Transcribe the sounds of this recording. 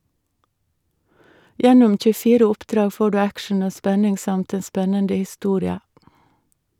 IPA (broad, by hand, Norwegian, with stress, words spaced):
ˈjɛnʊm c͡çʉˈfiːɾə ˈʊpˌdɾɑːɡ ˈfoː ˈɖʉː ˈækʃɳ̩ ˈoː ˈspɛnɪŋ ˈsɑmt ˈeːn ˈspɛnəndə hɪˈstuːɾɪə